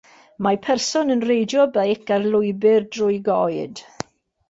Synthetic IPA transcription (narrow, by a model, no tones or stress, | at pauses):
mapʰɛrsɔnənrejdjɔbejkarlˠʊɨbɪrdrʊɨɡɔɨd̥